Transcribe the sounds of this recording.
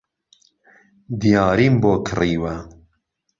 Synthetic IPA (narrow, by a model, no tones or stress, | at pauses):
d̪ijɑːɾiːmboːkʰɨriːwɐ